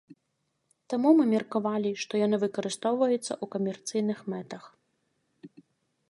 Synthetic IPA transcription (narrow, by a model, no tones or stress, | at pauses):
t̪amumɨmʲɛrkavalʲiʂt̪ɔjanɨvɨkɐɾɨst̪ɔwvɐjut̪sːɐ̰ʔukɐmʲɛrt̪sɨjnɨxmɛt̪ɐx